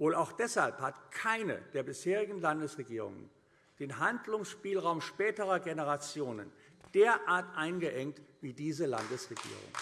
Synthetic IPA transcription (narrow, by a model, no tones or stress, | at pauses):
voːlaʊxd̥ɛshalphatkʰaɪnə̰d̥eːɐbɪsheːʁɪɡŋ̩landəsʁeɡiːʁ̞ʊ̰ŋə̰n | d̥eːnɦandlʊŋsʃpiːlʁaʊmʃpɛːtəʁɐɡenəʁat͡sjoːnən | d̥eːɐʔaːɐtʔaɪnɡəʔɛŋk̚tv̥iːdiːzəla̰ndəsʁeɡḭːʁʊ̰ŋ